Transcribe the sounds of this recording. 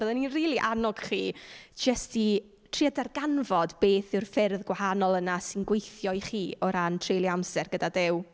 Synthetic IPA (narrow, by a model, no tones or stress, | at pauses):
b̥əðɛninriːlˠiʔanɔɡ̥χiːd͡ʒəsti | tʰriadarɡanvɔdbeːθɪwrfɪrðɡwahanɔlˠənasɪnɡwejθjɔjχiːɔɾantʰr̥ejlˠiamsɛrɡədadɪw